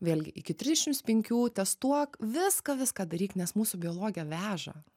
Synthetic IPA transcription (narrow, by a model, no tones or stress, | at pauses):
ʋʲeːlʲɡʲɪʔɪkʲɪt̪ʲɾʲɪzʲdʲɛʃʲɪmt̪spʲɛŋʲkʲuːt̪ʲɛst̪uɔkʋʲɪskɐʋʲɪskɑːd̪ɐɾʲiːknʲɛsmuːsʊbʲɪoːlˠoːɡʲɪjɛʋʲæːʒɐ̰